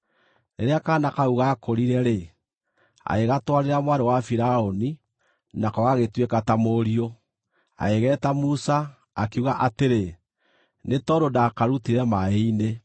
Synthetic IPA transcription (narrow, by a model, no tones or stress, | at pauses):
neɾeakanakauɣakoɾiɾɛɾe | a̰eɣatwaɾeɾamwaɾewafiɾaoni | nakɔɣaɣetwekatamoɾio | a̰eɣɛːtamusa | akeuɣaʔateɾe | netɔɾodakaɾutiɾɛmaeine